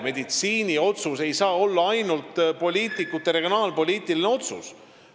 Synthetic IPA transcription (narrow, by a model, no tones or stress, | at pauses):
me̞d̪̥it̪siːnio̞t̪suse̞jsɑːo̞lːɑɑjnult̪po̞lʲiːt̪ˑikut̪ːˑeɾe̞ɡ̥jo̞nɑːlpo̞lʲiːt̪iline̞o̞t̪sṵs